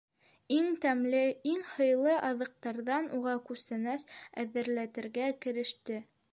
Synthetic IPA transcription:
iŋt̪æmlɘiŋhɤ̆jlˠɤʔɑðɤ̆q̚t̪ɑɾðɑnuʁɑkʉsɘ̆næsæ̰ðɘ̆ɾlæt̪ɘ̆ɾɡækɘ̆ɾɘ̆ʃt̪ɘ

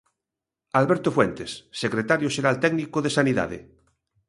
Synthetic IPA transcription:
alβɛɾt̪ofwent̪esːekɾet̪aɾjoʃeɾalt̪ɛɡnikoðesaniða̰ðḛ

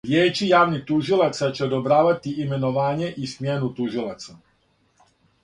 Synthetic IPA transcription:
ʋjɛt͡ʃijaʋnit̪uːʒilat͡ssat͡ʃɔd̪ɔbɾaːʋat̪iʔimɛnɔʋaɲɪɛʔismɪjɛnut̪uʒilat͡sɔ

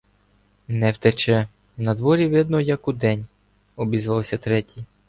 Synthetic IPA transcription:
nɛwt̪ɛt͡ʃɛ | nɐd̪ʋɔɾʲiʋɪd̪nɔjɐkʊd̪ɛnʲ | ɔbʲizʋɑwsʲɐt̪ɾɛtʲij

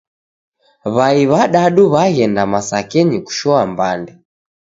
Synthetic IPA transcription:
βaiβaɗaɗuβaɣɛndamasakɛɲiku̥ʃɔambandɛ

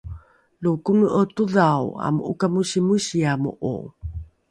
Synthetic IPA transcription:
lukunuʔətuðawa̰muʔṵkamuɕimuɕiamṵʔo̰

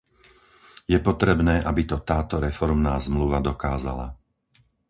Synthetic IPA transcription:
jɛpɔt̪ɾɛbnɛːʔabit̪ɔt̪aːt̪ɔɾɛfɔɾmnaːzmluʋad̪ɔkaːza̰la̰

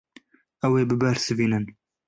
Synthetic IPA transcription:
ɛweːbɨbɛɾsɨviːnɨn

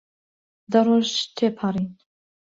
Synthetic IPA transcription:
d̪ɐɾoːʒt̪ʰeːpʰaɾin

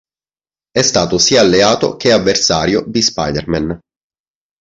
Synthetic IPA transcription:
ɛst̪aːt̪osiːaːlːeaːt̪o̰k̟eavːersaːɾjobispa̰jd̪erman

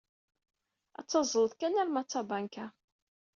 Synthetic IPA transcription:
æ̰t͡sːɑzˤəlðkænæɾmæt͡sːɑbæŋkæ

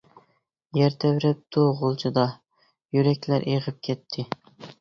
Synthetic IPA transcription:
jæɾt̪ʰævɾɛp̚t̪ʰuʁʊlˠt͡ʃʰɨd̪ɑ | jyɾɛkʲlæɾʔeʁɨp̚kʲʰɛt̪ʰːɪ

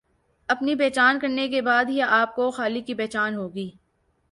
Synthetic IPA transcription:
ɐpnibeːt͡ʃaːnkɐɾnekebaːd̪ɦiaːp̚koxaːlikibeːt͡ʃaːnɦoːɡiː

